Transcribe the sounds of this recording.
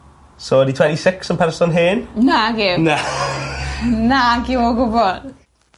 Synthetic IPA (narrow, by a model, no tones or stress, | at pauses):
soəditʰw̥ɛ̃ntisɪksə̃npʰɛsɔ̃nɦɪːnnaaɡena | naɡɪwoɡʊbɔt